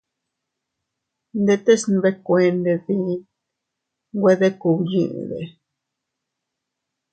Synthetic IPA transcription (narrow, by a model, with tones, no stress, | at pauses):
nd̪e˧t̪e˦sn˧be˦kʷe˧nd̪e˧ði˦ | ɡʷwe˦ðe˦ku˨bjḭ˧˨d̪ḛ˨